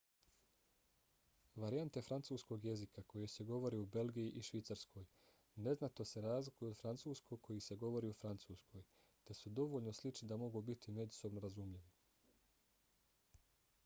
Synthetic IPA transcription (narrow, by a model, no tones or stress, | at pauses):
ʋaɾiant̪efɾant̪suːsko̞ɡje̞zikako̞jese̞ɡo̞ʋo̞ɾiube̞lɡijiʔiʃʋit̪saɾskʰo̞ːj | ne̞znat̪o̞se̞ɾaːzlikujuod̪fɾant̪suːskokʰo̞jise̞ɡo̞ʋo̞ɾiːufɾant̪suːskʰo̞j | t̪e̞sud̪o̞ʋoʎno̞slit͡ʃnid̪amo̞ɡuːbit̪ʰime̞d͡ʒu̥so̞bnoɾazumʎiʋi